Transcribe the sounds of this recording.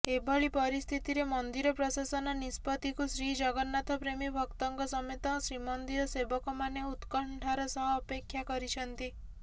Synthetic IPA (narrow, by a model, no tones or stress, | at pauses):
ebʱɔɭipɔɾist̪ʰit̪iɾemɔnd̪iɾɔpɾɔsasɔnɔnispɔt̪ikusɾid͡ʒɔɡɔnːat̪ʰɔpɾemibʱɔkt̪ɔŋkɔsɔmet̪ɔsɾimɔnd̪iɾɔsebɔkɔmaneut̪kɔɳʈʰɔɾɔsɔɦɔːpekʰːjakɔɾit͡ʃʰɔnt̪i